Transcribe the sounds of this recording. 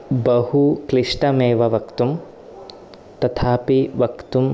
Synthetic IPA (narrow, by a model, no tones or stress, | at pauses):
bɐhukliʂʈɐmeːʋɐʋɐkt̪um | t̪ɐt̪ʰaːpiʋɐkt̪um